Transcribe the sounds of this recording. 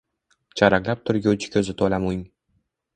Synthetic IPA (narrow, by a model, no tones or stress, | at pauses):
t͡ʃʰaɾaklap̚t̪ʰʊɾɡʲʊt͡ʃʰɪ̥kʲʰɵzɪt̪ʰolamujŋ